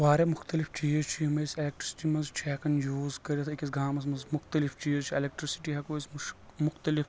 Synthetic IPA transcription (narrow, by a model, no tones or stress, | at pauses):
ʋaːɾemʊxt̪ɐlift͡ʃiːzt͡ʃʰimɐselek̚ʈɾisi̥ʈimɐnzt͡ʃʰɛːkɐnjuːzkɐɾet̪ʰekis̬ɡaːmɐsmɐzmʊxt̪ɐlift͡ʃiːzt͡ʃʰielek̚ʈɾisi̥ʈiɦɐkoismʊxt̪ɐlif